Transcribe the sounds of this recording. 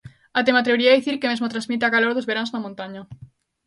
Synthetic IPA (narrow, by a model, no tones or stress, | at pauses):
at̪emat̪ɾeɾiaðiθiɾkemezmot̪ɾanzmit̪̬eakaloɾðozβeɾanznamõnt̪aɲa